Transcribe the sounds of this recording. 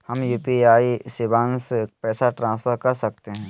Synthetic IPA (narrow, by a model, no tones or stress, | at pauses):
hɐmjuːpiaːisɪbãːnspɛːsaʈɾãːspʰəɾkɐɾsɐk̚t̪eɦɛ̃ː